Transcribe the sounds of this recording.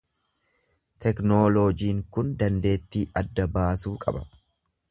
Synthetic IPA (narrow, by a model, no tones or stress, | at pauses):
t̪ʰɛknoːloːd͡ʒiːŋkʊnd̪ɐnd̪e̞ːt̪ːiːʔɐd̪ːɐbaːsuːkʼɐ̰bɐ